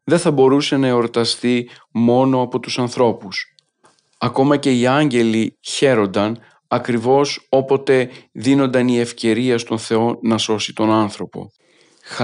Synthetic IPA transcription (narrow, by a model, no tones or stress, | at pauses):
ðe̞θɐbo̞ɾuse̞nɐeo̞ɾt̪ɐst̪i | mo̞no̞ɐpo̞t̪usɐnθɾo̞pus | ɐko̞mɐce̞iɐɲɟe̞liçe̞ɾo̞nd̪ɐn | ɐkɾivo̞so̞po̞t̪e̞ðino̞nd̪ɐnie̞fce̞ɾiɐst̪o̞nθe̞o̞nɐso̞sit̪o̞nɐnθɾo̞po̞̰